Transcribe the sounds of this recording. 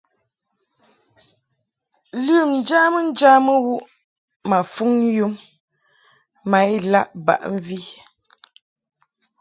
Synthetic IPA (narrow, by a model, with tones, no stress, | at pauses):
lʉ˦˨mn̩˨d͡ʒa˦mə˦n̩˦d͡ʒa˦mə˦wu˦ʔ | ma˨fu˦ŋju˦m | a˨˦jla˦˨ʔba̰˨ʔɱ̩˦vi˦